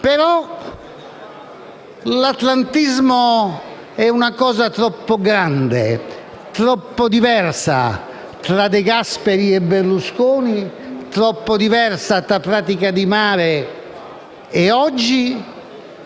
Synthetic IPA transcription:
peɾɔ | lat̪lant̪izmo | ɛunakɔːzat̪ɾɔpːoɡɾand̪ḛ | t̪ɾɔpːod̪ivɛrsa̰ | t̪ɾad̪eɡaspeɾiɛbːeɾluskoːnit̪ɾɔpːod̪ivɛɾsat̪ɾapɾaːt̪ikad̪imaːɾe | ɛɔd͡ʒːi

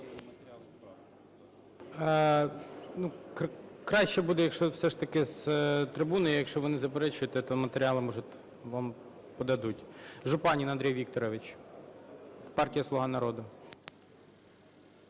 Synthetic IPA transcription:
nu | kɾɑʃt͡ʃɛbud̪ɛjɐkʃt͡ʃɔfsɛʂt̪ɐkɪzt̪ɾɪbunɔjijɐkʃt͡ʃɔʋɔnɪzɐpɛɾɛt͡ʃʊjʊt̪ɛt̪ɔmɐt̪eɾʲɪɑlˠɪmɔʒʊt̪ʲ | ʋɑm | pɔd̪ɐd̪utʲʒʊpɑnʲinɐnd̪ɾʲɛjʋʲik̚t̪ɔɾɔʋɪt͡ʃ | pɑrtʲijɐslˠʊɦɑnɐɾɔd̪ʊ

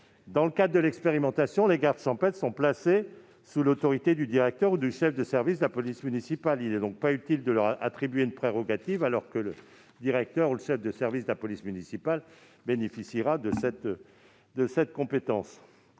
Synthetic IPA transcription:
d̪ɑ̃ləkad̪ʁd̪əlɛkspeʁimɑ̃t̪asjɔ̃leɡaʁd̪ʃɑ̃pɛt̪sɔ̃plase | sulot̪ɔʁit̪ed̪yd̪iʁɛk̚t̪œʁud̪yʃɛfd̪əsɛʁvis̬d̪əlapɔlismynisipalilɛd̪ɔ̃k̚payt̪ild̪əlœʁa̰t̪χibɥeynpχeʁɔɡat̪ivalɔʁkələ | d̪iʁɛk̚t̪œʁuləʃɛfd̪əsɛʁvisd̪əlapɔlismynisipal | benefisiʁad̪əsɛt̪ | d̪əsɛt̪̚kɔ̃pet̪ɑ̃s

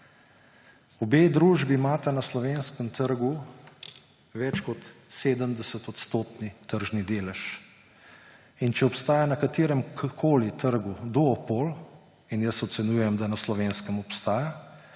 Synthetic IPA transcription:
ɔbeːd̪ɾuːʒbimaːt̪anaslɔʋeːnskəmt̪əɾɡu | ʋɛt͡ʃkɔt̪seːd̪əmd̪ɛsət̪ɔt̪st̪oːt̪nit̪əɾʒnid̪eːlɛʃ | int͡ʃɛɔpst̪aːjanɐkat̪eːɾɛmkkʰoːlit̪əɾɡud̪ɔːpoːl | injəsɔt̪sɛnuːjɛmd̪anaslɔʋeːnskəmɔpst̪aːja

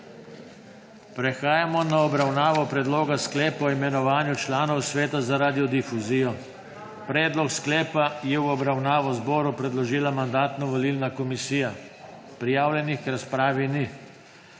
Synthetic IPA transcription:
pɾɛxaːjamɔnaɔbɾawnaːʋɔpɾɛd̪loːɡasklɛːpɔimɛnɔʋaːnjut͡ʃlaːnɔwsʋɛːt̪azaɾaːd̪iɔd̪ifuziːjɔ | pɾɛːd̪lɔksklɛːpajɛwɔbɾawnaːʋɔzbɔːɾupɾɛd̪lɔʒiːlamand̪aːt̪nɔʋɔliːlnakɔmisiːja | pɾijaːwlʲjɛnixkɾaspɾaːʋini

